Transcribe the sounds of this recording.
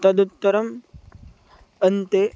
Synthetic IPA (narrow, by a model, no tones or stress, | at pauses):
t̪ɐd̪ut̪ːɐɾɐm | ɐnt̪e